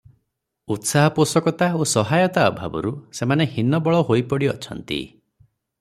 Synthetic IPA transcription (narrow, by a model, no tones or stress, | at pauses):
ut̪saɦɔposɔkɔt̪aosɔɦajɔt̪aɔbʱa̰bɔ̰ɾusemanehinɔbɔɭɔɦojpɔɽiɔt͡ʃʰɔnt̪ḭ